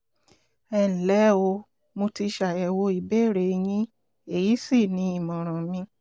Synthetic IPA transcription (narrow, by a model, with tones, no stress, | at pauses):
ɛ˧˨ñ̩˨lɛ˦o˧ | mo˧ti˧ʃa˨jɛ˨wo˧i˨be˦˨ɾe˨˧j̃ĩ˦ | e˦˨ji˨˦si˦˨nĩ˨˦i˦˨mɔ̃˨ɾ̃ã˨mĩ˧